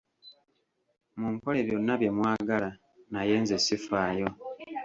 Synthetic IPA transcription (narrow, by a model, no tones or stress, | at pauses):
muːŋko̞le̞βjo̞nːaβje̞mwaːɡala | naje̞ːnzesifaːjo̞